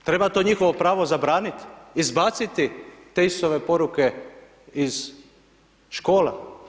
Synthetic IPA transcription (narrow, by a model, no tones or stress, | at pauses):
t̪ɾe̞bat̪o̞ɲixoʋopɾaːʋo̞zabɾaːnit̪izbat̪sit̪it̪eist̪oʋepo̞ɾuke | iz̥ | ʃko̞ːla